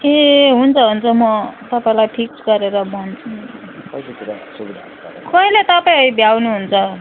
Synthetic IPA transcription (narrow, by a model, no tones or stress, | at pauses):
eɦunt͡sʰʌɦunt͡sʰʌmʌt̪ʌpaĩlajʈʰiksɡʌɾeɾʌmʌnt͡sʰukʌsetuɾasubid̪ʱa | akʌĩlet̪ʌpaĩɦʌjbʱjawnuɦunt͡sʰʌ